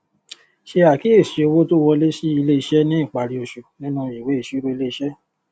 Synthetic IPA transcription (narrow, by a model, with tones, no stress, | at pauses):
ʃe˧a˨ki˦e˦˨ʃi˨˦o˧wo˦to˦wɔ˧le˦ʃi˦i˧le˦i˧ʃɛ˦nĩ˦i˦˨k͡pa˨ɾi˧o˧ʃu˨nĩ˦nũ˦˨i˨we˨˦e˨ʃi˨˦ɾo˦i˧le˦i˧ʃɛ˦